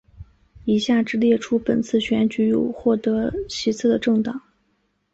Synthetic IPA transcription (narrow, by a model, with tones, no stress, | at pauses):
i˨˩ɕja˥˩ʈ͡ʂɻ̩˥˧ljɛ˥˩ʈ͡ʂʰu˥pə˨˩nt͡sʰɹ̩˥˩ɕɥɛ˧˥nt͡ɕy˧˥jo˨˩ʊxwɔ˥˩t̪ɤ˧˥t͡ɕʰi˧˥t͡sʰɹ̩˥˩d̪ə˩ʈ͡ʂɤ˥˩ŋt̪ɑ˨˩˦ŋ